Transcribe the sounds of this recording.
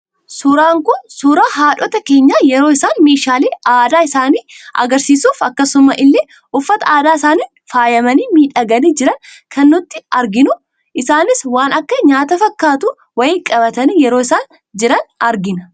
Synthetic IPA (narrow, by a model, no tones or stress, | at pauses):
sʊɾaːŋkʊnsʊːɾaːɦaːᶑɔt̪ɐke̞ːɲːaːjɛɾoːɪsaːnme̞ːʃaːleːaːd̪aːɪsaːniːʔɐ̰ɡɐɾsiːsuːfɐkːɐsʊma̰ːʔɪlːeː | ʔʊfːɐt̪ɐaːd̪aːɪsaːniːnfaːjɐmɐniːmiːᶑɐɡɐniːd͡ʒɪɾɐn | kʰɐnːʊt̪ːɪɐɾɡɪnʊ | ʔɪsaːnɪswaːnɐkːɐɲaːt̪ɐfɐkːaːt̪ʊ | wɐjɪkʼɐbɐt̪ɐniːjɛɾoːɪsaːn | d͡ʒɪɾɐnɐɾɡɪnɐ